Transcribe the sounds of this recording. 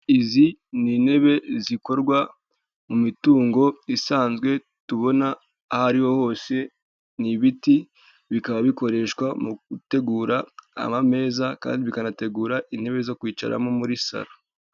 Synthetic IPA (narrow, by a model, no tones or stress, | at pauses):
iziniːn̥e̞βe̞ziko̞ɾɡwa | mumituːŋɡo̞isaːnzɡwe̞ | tuβo̞naː | haɾiho̞ho̞ːse̞ | niβiti | βikaβaβiko̞ɾe̞ʃkwamuɡute̞ɡuːɾa̰ːmame̞ːzaka̰ːndiβikanate̞ɡuːɾaʔin̥he̞βe̞zo̞kwiːt͡ʃa̰ɾa̰momuɾisa̰ɾa